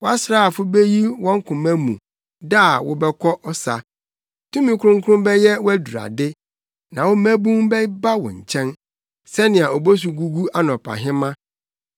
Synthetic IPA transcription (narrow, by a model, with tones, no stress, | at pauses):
wɔ˦a˦sɾaː˦a˨fʊ˦be˦ji˦wɔ̃˦ŋ˦kʰʊ̃˨mæ̃˦mũ˨ | da˦˨wɔ̰˦bɛ˦kʰɔ˦ʔɔ˦sa̰˨ | tʰũ˦mĩ˨˦kʰʊ˦ɾʊ̃˦ŋ̩˦kʰʊ˦ʊ̃˦mbɛ˦jɛ˦wɔ˦æ˦du˨a̰˨dɪ˦ | nã˨wɔ˦mæ̃˦bũ˦ŋbɛ˦ba˦wɔ̰̃˨ɲ̩˨t͡ɕʰɛ̃˦n | sɛ˦nɪ̃˨a˨ɔ˨bo˦s̬u˨ɡu˦ɡu˦a˦nɔ̃˨pʰa̰˨ɦɪ̃˦mã˦